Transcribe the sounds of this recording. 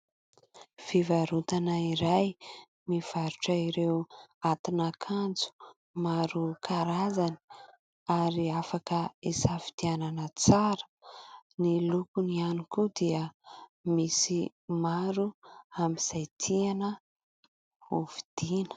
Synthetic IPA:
fivaɾut̪anaiɾaj | miv̥aɾuʈ͡ʂaiɾewat̪inakʰand͡zu̥ | maɾukʰaɾazani̥ | aɾiafakəisavi̥t̪iananət͡saɾə̥nilukunianukud̪iəmisi | maɾuamiz̥ajt̪ʰianə | uvid̪̥inə̥

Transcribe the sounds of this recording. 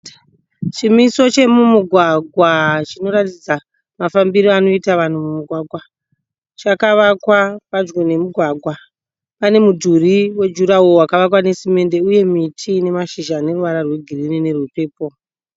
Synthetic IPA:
t͡ʃimiso̞t͡ʃe̞mumuɡʱwaɡʱwat͡ʃino̞ɾatid͡za | mafambiɾiano̞itaʋan̤umumuɡʱwaːɡʱwa | t͡ʃakaʋakwapad͡ʒɡone̞muɡʱwaɡʱwa | pane̞mudʱuriwe̞d͡ʒuɾaowakaʋakwane̞sime̞nde̞uje̞mitʰine̞maʃiʒane̞ruʋaɾarwe̞ɡʱirinine̞rupe̞ːpo̞

